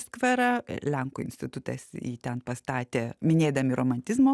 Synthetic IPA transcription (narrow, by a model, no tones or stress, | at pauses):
skʋʲɐɾɐlʲɛŋkʊɪ̰nʲsʲt̪ʲɪt̪ʊt̪ɐ̰sḭːt̪ʲɛnpɐst̪ɑːt̪ʲeːmʲɪnʲeːd̪ɐmʲɪɾoːmɐnʲt̪ʲɪzmoː